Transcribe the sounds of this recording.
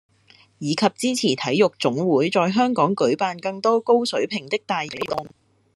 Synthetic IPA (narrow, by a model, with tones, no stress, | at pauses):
jiː˨˧kʰɐ˨p̚t͡siː˥t͡sʰiː˨˩t̪ʰɐ˨˥jːʊ˨k̚t͡sʊ˨˥ŋwuː˨˥jt͡sɔː˧jɦœː˥ŋkɔː˨˥ŋkɵ˨˥ɥpaː˨nkɐ˧ŋt̪ɔː˥ko˥wsɵ˨˥ɥpʰɪ˨˩ŋt̪ɪ˥k̚t̪aː˨jpe˨˥jt̪ʊ˨˩ŋ